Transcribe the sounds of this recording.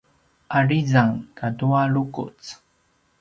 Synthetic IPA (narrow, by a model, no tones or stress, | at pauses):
ʔaɭizaŋkaduaɭukṵt͡s